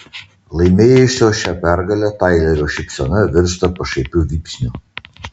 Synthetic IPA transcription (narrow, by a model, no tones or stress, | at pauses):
lˠɐɪmʲeːjʊsʲoːʃʲɛpʲæɾɡɐlʲoːt̪ɑjlʲɛɾʲoːʃʲɪpʲsʲɔnɐʋʲɪɾʲʃt̪ɐpɐʃɐjpʲʊʋʲiːpʲsʲnʲʊ